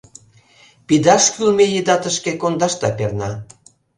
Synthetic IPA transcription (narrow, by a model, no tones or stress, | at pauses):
pid̪ɑʃkylmejid̪ɑt̪əʃkekond̪ɑʃt̪ɑpernɑ